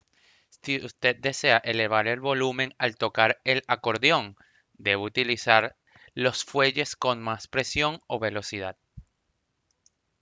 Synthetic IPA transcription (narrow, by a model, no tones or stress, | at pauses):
siust̪e̞d̪̚d̪e̞se̞aʔe̞le̞β̞aɾe̞lβo̞lumẽ̞ŋalt̪o̞kaɾe̞lako̞ɾðjo̞ŋ | d̪e̞βut̪ilisaɾ | lo̞sfwe̞ʝe̞sko̞nmaspɾe̞sjo̞ŋo̞βe̞lo̞siðað̥